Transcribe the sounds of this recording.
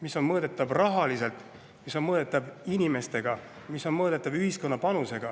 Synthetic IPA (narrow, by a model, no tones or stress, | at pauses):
miso̞nmɤːd̪̥e̞t̪ːˑɑbrɑɦɑlise̞lt̪ˑ | miso̞nmɤːd̪̥e̞t̪ːˑɑbinʲime̞st̪e̞ɡ̥ɑ | miso̞nmɤːd̪e̞t̪ːˑɑbyhisko̞nːɑpɑnuse̞ɡ̥ɑ